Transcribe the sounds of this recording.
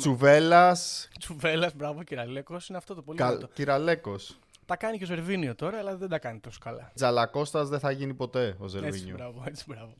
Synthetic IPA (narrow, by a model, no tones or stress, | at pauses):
t͡suve̞lɐst͡suve̞lɐzbɾɐvociɾɐle̞kosineɐft̪o̞t̪opolit̪ociɾɐle̞ko̞s | t̪ɐkɐnico̞ze̞ɾviniot̪o̞ɾɐːlɐðed̪ɐkɐnit̪o̞so̥kɐlɐ̰d͡zɐlɐko̞st̪ɐzðeθɐʝinipo̞t̪e̞ozeɾeviɲioɾɐvoet͡si̥bɾɐvo